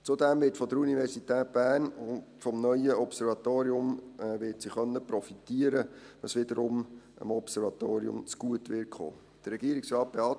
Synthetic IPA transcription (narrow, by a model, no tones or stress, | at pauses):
t͡sud̪ɛmʋɪtfɔdəɾunivɛɾsitɛːt̚b̥æːnʊnfɔmnœʏjəɔpsɛɾvɑt̪oːɾiʊmɛʋɪtsiχœnːəpɾɔfitiəɾə | ʋɑ̰sʋɪd̪əɾʊm | ə̰mɔpsɛɾvɑt̪oːɾiʊ̰mt͡sɡ̥uətʋɪːkχo̰ː | d̪̥əɾːɛɡ̥iəɾɪksɾɑːt̚b̥eɑ